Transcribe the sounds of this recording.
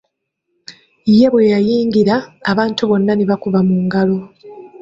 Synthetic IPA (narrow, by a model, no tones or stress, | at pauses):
ije̞βwejajiːŋɡiɾaːβaːntuβo̞nːaneβakuβamuːŋɡalo̞